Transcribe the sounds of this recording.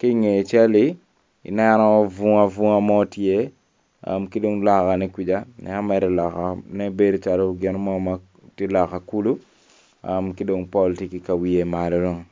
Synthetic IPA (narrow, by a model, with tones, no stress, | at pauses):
ki˦ŋe˨t͡ʃɛ˦li˦ | ḭ˨nɛ˦nɔ˦vu˦ŋa˦vu˦ŋa˦mɔ˦tje˦ | a̰˨mki˦do˦ŋla˨ka˨nɛ˦kwi˨d͡ʒa˦nɛ̰˨a˦mɛ˨ɾi˨la˨ka˨nɛ˦be˦dt͡ʃa˨lɔ˦ɡɪ˦nmɔ˦ma | ti˦la˨ka˨ku˦lu˦ | amki˦do˨ŋpɔ˦ltiki˨ka˨wi˨je˨malɔ˦ɾo˦˨ŋ